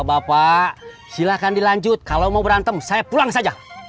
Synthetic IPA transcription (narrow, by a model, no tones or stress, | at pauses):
bapa | silahkandilaɲd͡ʒʊt̪̚kalawmaubəɾant̪əmsajapulaŋsad͡ʒa